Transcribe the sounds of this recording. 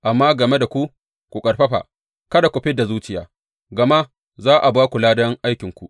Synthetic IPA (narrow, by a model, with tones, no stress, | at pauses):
ʔa˨mːaː˦ɡɐ˨me˦da˨kʷu˦ | kʷu˨kʼɐ˨rɸɐ˦ɸa̰ː˨ | kɐ˦da˨kʷʊ˨ɸɪ˦da˨zuː˦t͡ʃɪ˦ja̰ː˨˦ | ɡɐ˨ma˦ | zaː˦ʔa˨baː˦kʷu˨laː˦dɐ˦ŋʔa˦jkʲɪ˨ŋkʷu˨ʔ